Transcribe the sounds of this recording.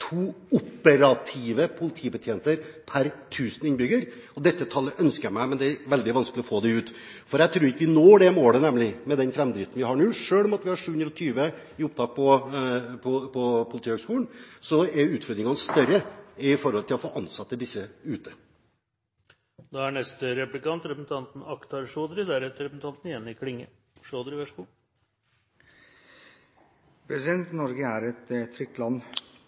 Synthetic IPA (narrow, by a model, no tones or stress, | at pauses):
t̪ʰuː | ʊpːəɾɑt̪ʰiʋəpʰʊlɪt̪ʰiːbət̪ʰjeːnt̪əɾpʰæɾt̪ʰʉːsənɪnbʏɡəɾ | ɔd̪ɛt̪ːət̪ʰɑlːəʔœnskəjæmæɪmɛnd̪ɛæɾʋɛld̪ɪʋɑnskəlɪɔfoːd̪ɛʉːt̪ | fɔɾjæɪt̪ʰɾuːɾɪkːəʋɪnoːɖɛmoːɽənɛmlɪmɛd̪ɛnfɾɛmd̪ɾɪt̪n̩ʋɪhɑɳʉːʂøːɭɔmɑt̪ʋɪhɑɾʂʉːʉnɾəlɔt̪ʰyːʋə | ɪʊp̚t̪ʰɑːk̚pʰɔ | pʰɔpʰɔpʰʊlɪt̪iːhøɡskuːlənsɔɛɾʉːt̪fœɾd̪ɾɪŋɑnst̪œɾəɪfɔɾhɔlt̪ʰɪlɔfoːʔɑnsɑt̪ːəd̪ɪsːəʉːt̪ə | d̪ɑæɳɛst̪əɾɛplɪkɑnt̪ɾɛpɾsn̩t̪ʰɑnt̪n̩ɑkt̪ʰɑɾʂoːd̪ɾɪd̪æɾɛt̪əɾɛpɾsn̩t̪ʰɑnt̪n̩ɛnːɪkʰlɪŋːə̰ | ʂoːd̪ɾɪʋæʂkuː | pʰɾɛsɪd̪ɛnt̪nɔɾɡəæɾɛt̪t̪ʰːɾʏk̚t̪lɑnː